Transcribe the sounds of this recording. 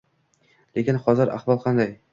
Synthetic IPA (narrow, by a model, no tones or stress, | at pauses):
le̞kʲɪnχɒzɪɾa̰χvɒlˠqʰɑnd̪aj